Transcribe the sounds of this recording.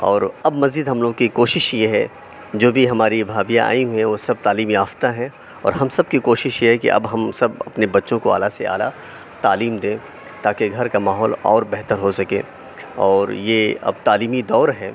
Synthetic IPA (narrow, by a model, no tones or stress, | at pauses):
ɔːɾɐbmɐziːd̪ɦɐmloːɡkikoːʃɪʃjeɦɛ | d͡ʒoːbʱiɦɐmaːɾibʱaːbijã̰a̰ːĩɦuɛ̃ʋoːsɐb̚t̪aːliːmjaːft̪aɦɛ̃ | ɔ̰ːɾɦɐmsɐb̚kikoːʃɪʃjeɦɛkḭʔɐ̰bɦɐmsɐbɐpnebɐtːʃõkoa̰ːlasea̰ːla̰ | t̪aːliːmd̪ẽː | t̪aːkeɡʱɐɾkamaːɦɔːlɔ̰ːɾbɛɦt̪əɾɦosɐkẽː | ɔːɾjeːɐ̰b̚t̪aːliːmid̪ɔːɾɦɛː